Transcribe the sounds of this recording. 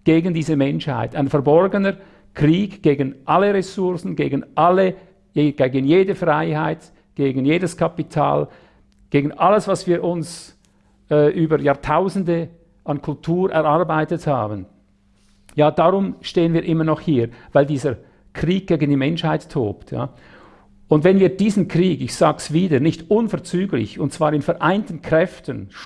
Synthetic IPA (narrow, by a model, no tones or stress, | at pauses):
ɡ̥eːɡən̩diːzəmɛnʃha̰ɪtaɪnfɛɐbɔrɡənə | kʁ̥iːkɡ̥eːɡənʔalːəʁɛsʊʁsn̩ɡeːɡənʔalə | jeɡ̥eːɡən̩jeːdəfʁaɪhaɪt | ɡ̥eːɡən̩jeːdəskʰapitʰa̰ːl | ɡ̥eːɡən̩ʔaləsvɑsv̥iːɾʔʊns | ɛːʔyːbəjɑːɐtʰaʊzn̩də | ʔɑnkʰʊltʰuːɾʔɛ̰ɾʔarbaɪtətha̰ːbən | jaːd̥aʁʊmʃteːənviːɐɾʔɪmənɔχhiːʁvaɪldiːzəɾ | kriːk̚ɡ̥eːɡən̩dimɛnʃhaɪtʰːo̰ːptja̰ː | ʊndvɛnviːɐd̥iːzənkʁ̥iːɡɪçsaːɡsv̥iːdənɪçtʊnfɛʁt͡syːɡlɪ̰çʊnt̚t͡sv̥aːɾɪnfɛɾʔaɪntən̩kʁ̥ɛftən